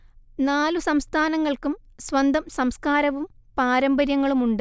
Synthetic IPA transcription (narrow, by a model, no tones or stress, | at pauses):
naːlusɐmst̪ʰaːnɐŋːɐɭkum | sʋɐnd̪ʱɐmsɐmskaːɾɐʋum | paːɾɐmbɐɾjɐŋːɐɭumuɳɖɨ